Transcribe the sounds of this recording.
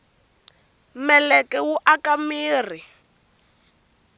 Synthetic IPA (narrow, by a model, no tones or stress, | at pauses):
mɛlɛkɛwuʔakamiːr̤i